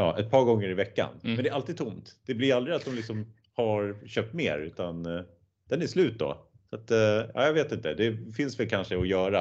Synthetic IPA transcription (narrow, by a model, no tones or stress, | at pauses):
jɑːʔɛt̪̚pʰɑːɾɡɔŋːəɾɪvɛkːa̰nmmɛnd̪ɛɾalt̪iːd̪̚t̪ʰʊmt̪d̪̥ɛblɪɾald̪ɾɪat̪̚d̪ɔmlɪksɔm | haɾɕøːp̚t̪mḛːɾʉ̟ːt̪an | d̪̥ɛnæʂlʉ̟ːt̪̚d̪ɔ̰ | sat̪jɑ̰ːjaveːt̪ɪnt̪əd̪ɛfɪnsvɛlkʰanʂəɔjœːɾa